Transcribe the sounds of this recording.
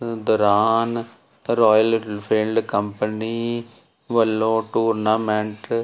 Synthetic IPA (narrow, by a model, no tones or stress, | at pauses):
d̪əɾaːn | ɾɔːjəlpʰelɖkəmpəniː | ʋəlːõːʈuːɾnaːmɛ̃ɳʈ